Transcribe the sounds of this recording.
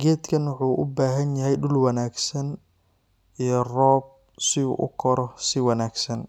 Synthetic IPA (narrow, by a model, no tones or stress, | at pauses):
ɡɛːd̪kʰɐnwʊħuːʔʊbaːɦɐnjɐɦɛjɗʊlwɐnaːɡsɐn | ijɞrɔːb̚ | sɪṵːʔʊ̰kʰɔɾɔsɪwɑnaːɡsɐn